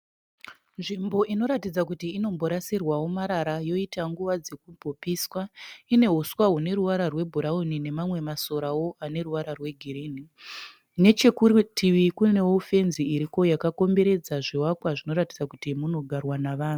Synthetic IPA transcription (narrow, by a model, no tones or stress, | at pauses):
nʐimbo̞ʔino̞ɾatid͡zakutiːno̞mbo̞ɾasirwawomaɾaɾajo̞itaŋɡuʋad͡ze̞k̚ubʱopiswaine̞ɦuswaɦune̞ɾuʋaɾarwe̞bʱuɾaunine̞mamwe̞maso̞ɾawo̞ʔane̞ɾuʋaɾarwe̞ɡʱiɾini | ne̞t͡ʃe̞kutʰiʋikune̞ofe̞nziːɾiko̞jakako̞mbe̞ɾe̞d͡zaʐiwakwaʐino̞ɾatid͡zakutimuno̞ɡʱarwanaʋaːnu